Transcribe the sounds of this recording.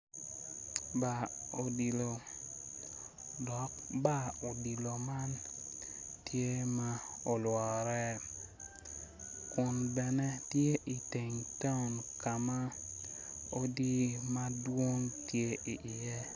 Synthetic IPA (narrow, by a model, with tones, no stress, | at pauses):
ba˨o˨di˨lo˨ | dɔ˨k̚ba˦o˨di˨lo˨ma˦n | tje˦ma˦o˨lwɔ˨ɾɛ˦ | kʊ˨nbɛ˨nɛ˦tje˦ʔi˨te˨ŋta˦ʊ˨nka˨ma˦ | o˦di˦ma˦dwo˦ŋtje˦i˨ʔɪ˨je˦